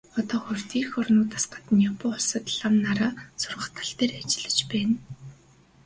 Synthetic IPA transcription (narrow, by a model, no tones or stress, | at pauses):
ɔt̪ɔːχʊr̥ʲt̪ʰiːrxɔrnʊːt̪ḁ̆sɢḁt̪ɘ̆njapʊːʊɮsə̆t̪ɮamnaɾaːsʊrʁə̆χt̪ʰḁ̆ɬt̪eːrat͡ɕɪ̆ɮə̆t͡ɕpæːn